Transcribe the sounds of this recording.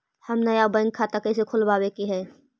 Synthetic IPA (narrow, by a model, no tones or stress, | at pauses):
həmnəjabə̃ŋɡ̚kʰat̪akəɪs̬ekʰʊlbaːbekiɦɛː